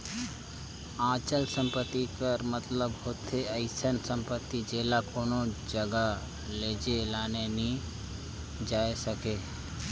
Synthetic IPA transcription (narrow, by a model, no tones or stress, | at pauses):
ãːt͡ʃəlsə̃mpət̪ːikəɾmət̪ləbhot̪ʰeəɪsənsə̃mpət̪ːid͡ʒeːlakoːnod͡ʒəɡa | leːd͡ʒelaːnenĩ | d͡ʒaːesəkeː